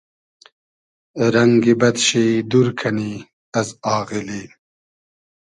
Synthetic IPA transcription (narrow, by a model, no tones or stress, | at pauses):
ɾɐŋɡibɐd̪ɕid̪uɾkʰɐni | ɐzɑːɣili